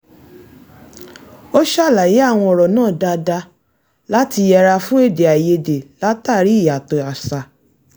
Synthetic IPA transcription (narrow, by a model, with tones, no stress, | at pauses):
o˦ʃa˦˨la˨ji˨˦a˦˨w̃ɔ̃˧ɔ˨ɾɔ˨nãː˦˨da˧da˧ | la˦ti˧jɛ˧ɾa˧fũ˦e˦˨de˨a˨je˧de˨la˦ta˦˨ɾi˨˦˨ja˨to˧˨a˨sa˧